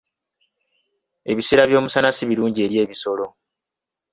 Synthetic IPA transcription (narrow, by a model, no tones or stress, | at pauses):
e̞̰βiseːɾaβjo̞ːmusanasiβiɾuːɲɟie̞ɾje̞ːβiso̞lo̞